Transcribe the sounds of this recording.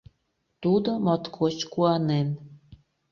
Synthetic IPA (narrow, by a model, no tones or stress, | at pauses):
t̪ud̪ŏmɑt̪kʰot͡ɕkuɑnen